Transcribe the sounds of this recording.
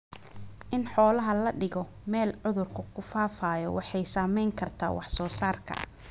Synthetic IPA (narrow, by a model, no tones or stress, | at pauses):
ʔɪnħɔːlɐɦɐlɐɖɪɣɔ | mɛːlʕʊðʊrkʰʊkʰʊfaːfaːjɔwɑħɑjsaːmɛjŋkʰɐrt̪ʰa̰ːwʔɑħsɔːsaːrkʰɐ̰ʔɐ̰